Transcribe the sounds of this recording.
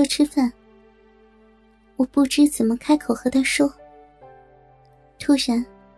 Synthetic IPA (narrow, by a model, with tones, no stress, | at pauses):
ɔ˥˧ʈ͡ʂʰɻ̩˥fa˥˩n | wɔ˨˩pu˥˩ʈ͡ʂɻ̩˥t͡sɹə˨˩mə˦kʰa˥ɪkʰo˨˩ʊxɤ˧˥t̪ʰa˥ɪʂɔ˥ | t̪ʰu˥ɕɥɛ˧˥n